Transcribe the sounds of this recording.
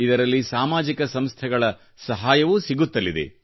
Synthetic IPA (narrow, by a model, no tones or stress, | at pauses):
id̪ɐɾɐlːisaːmaːd͡ʒikɐsɐmst̪ʰɛɡɐɭɐ | sɐɦaːjɐʋusiɡut̪ːɐlːid̪ḛ